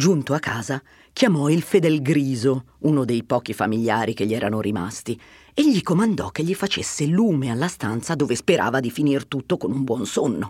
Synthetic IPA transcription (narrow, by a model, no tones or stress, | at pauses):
d͡ʒunt̪oakːaːza | k̟jamɔilfed̪ɛlɡɾiːzo | unod̪ejpɔːkifamiʎːaːɾikeʎːiɛːɾanoɾima̰st̪i | eʎːikomand̪ɔ̰kːeʎːifat͡ʃḛsːeluːmealːast̪ant̪sad̪oːvespeɾʔa̰ːvad̪ifinirt̪ut̪ːokonumbwɔnsonːo